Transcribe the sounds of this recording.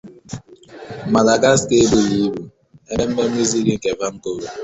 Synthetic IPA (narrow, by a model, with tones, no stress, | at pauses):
ma˨la˨ɡa˦ske˦bo˦li˦bu˨ | e˦e˦m̩˦me˦i˦zi˦ɡi˦ŋ̩˦ke˨fa˦ŋ̩˦ko˦ɾo˨